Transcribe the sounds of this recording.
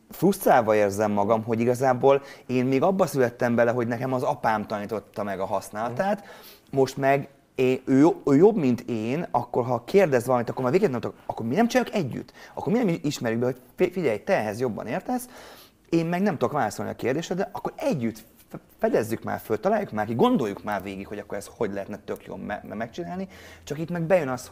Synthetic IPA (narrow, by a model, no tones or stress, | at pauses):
frust̪raːvɒeːrzɛmːɒɡɒmɦo̞ɟiɡɒzaːboːleːnmeːɡɒbːɒsylɛt̪ːɛmbɛlɛɦo̞ɟnɛkɛmɒzɒpaːmt̪ɒniːt̪o̞t̪ːɒmɛɡɒɦɒsnaːlɒt̪aːt̪ | mo̞ʃt̪mɛɡ | eøːjoøːjo̞bmint̪ʰeːnɒkːo̞rɦɒkʰeːrd̪ɛzʋɒlɒmint̪ɒkːormaːɾveːɡɛt̪ɛmokɒkːo̞rminɛmt͡ʃinaːjukɛɟːy̰t̪ːɒ̰kːorminɛmiʃmɛɾjykɡbɛɦo̞cfiɟɛjt̪ɛːɦɛzjo̞bːɒ̰neːrt̪ɛs | eːmmɛɡnɛmt̪ud̪okʋaːlɒso̞lniɒ̰keːrd̪eːʃɛd̪ɛʔɒkːo̞ɾɛɟːyt̪ | fɛd̪ɛzːykma̰ːrfølt̪ɒlaːjukmaːɾkiɡo̞nd̪o̞jːukmaːrveːɡikho̞ɟɒkːoɾɛsho̞ɟlɛɦɛt̪nɛt̪ø̞kjo̰bmɛmɛk̚t͡ʃinaːlnit͡ʃɒkit̪mɛɡ̚bɛjønɒst̪ho